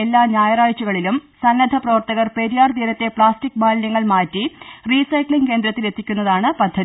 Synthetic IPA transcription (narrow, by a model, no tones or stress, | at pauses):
elːaːɲjaːjɐraːjt͡ɕːuɣɐɭilumsɐnːɐd̪ʱɐprɐʋɐrt̪ɐɣɐrpe̞ɾjaːrd̪iːɾɐt̪ːe̞pɭaːstik̚ːbaːlnɐŋːɐɭmaːtːiriːsɐjkɭiŋke̞ːnd̪ɾɐt̪ːile̞t̪ːikʲːunːɐðaːɳɨpɐd̪ʱːɐði